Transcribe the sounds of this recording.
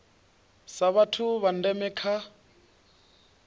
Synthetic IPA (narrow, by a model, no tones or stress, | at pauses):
saβatʰuβan̩dɛmɛkʰa